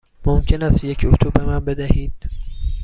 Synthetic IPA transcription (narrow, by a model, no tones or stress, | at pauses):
momcʰenæst̪jecʰut̪ʰubemænbe̞d̪æhiːd̪̥̚